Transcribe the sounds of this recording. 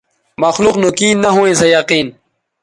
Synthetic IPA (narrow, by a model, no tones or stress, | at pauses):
mɐxluqnukiːnːɐɦũẽsejɐqiːn